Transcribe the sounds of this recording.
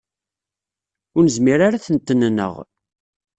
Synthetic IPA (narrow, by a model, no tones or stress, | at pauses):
ʊɾnəzmiɾaɾaθənt̪ːənnə̰ʁ